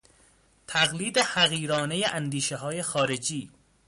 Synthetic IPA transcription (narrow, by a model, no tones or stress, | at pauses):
t̪ʰæɣliːd̪ehæɣiːɾɒːne̞jeʔænd̪iːʃeɦɒːje̞xɒːɾe̞d͡ʒiː